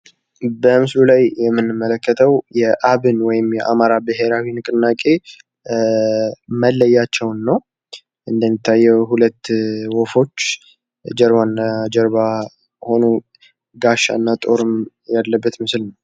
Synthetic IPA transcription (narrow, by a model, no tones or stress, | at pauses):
bəmɨslulajjɛmːɨnːɨmːələkːət̪ʰəwjɛʔaβɨnwɔjɪmjɛʔamaɾabɨɦe̞ɾawinɨkʼɨnːakʼe̞ | məlːəjːat͡ʃːɛwnːəw | ʔɨnd̪əmːit̪ʰːajːɛwɦulət̪ːwɔfo̞t͡ʃː | d͡ʒɛɾβanːad͡ʒɛɾβa | ho̞no | ɡaʃːa̰nːat̪ʼo̞ɾɨm | jalːəbːət̪mɨslnəw